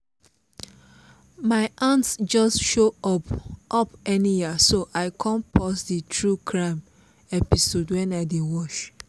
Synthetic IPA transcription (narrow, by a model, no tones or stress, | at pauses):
maɪʔãntsd͡ʒɔstʃoɔpʔɔpɛnijisoʔaɪkʰɔ̃npʰɔsditʰɹukʰɹãm | ɛpisodwɛ̃naɪdiwɔʃ